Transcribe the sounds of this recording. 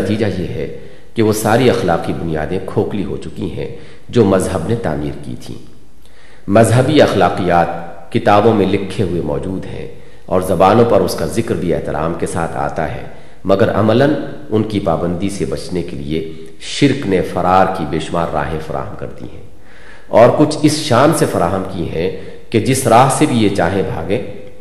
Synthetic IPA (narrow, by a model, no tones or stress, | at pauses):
ɐt̪iːd͡ʒajeɦɛ | keʋosaːɾiɐxlaːqibʊnija̰ːd̪ẽkʰoːkliɦo̰t͡ʃʊkḭɦɛ̰̃ | d͡ʒoːmɐzɦəbnet̪a̰ːmiːɾkḭt̪ʰḭ̃ː | mɐzɦəbiɐxlaːqijaːt̪̚ | kɪt̪aːbõmẽlɪkʰːeɦʊemɔːd͡ʒuːd̪ɦɛ̰̃ | ɔːɾzɐbaːnõpɐɾʊskazɪkɾbʱiɛɦt̪ɪɾʔa̰ːmkesa̰ːt̪ʰa̰ːt̪a̰ɦɛ̰ː | mɐɡəɾɐ̰mələn | ʊnkipaːbə̃nd̪isebɐt͡ʃnekelḭe | ʃɪɾknefɐɾʔaːɾkibeːʃʊmaːɾːa̰ːɦẽfɐɾʔa̰ːɦəmkɐ̰ɾd̪ḭɦɛ̰̃ː | ɔːɾkʊt͡ʃʰɪsʃaːnsefɐɾaːɦəmkiɦɛ̃ | ked͡ʒɪsɾaːɦsebʱijet͡ʃaːɦẽbʱa̰ːɡẽː